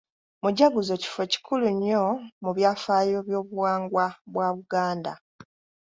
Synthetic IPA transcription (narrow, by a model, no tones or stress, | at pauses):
muɟaɡuzo̞ci̥fe̞ci̥kʰuluɲːo̞muβjaːfaːjoβjo̞ːβuwaːŋɡwaβwaːβuɡaːnda̰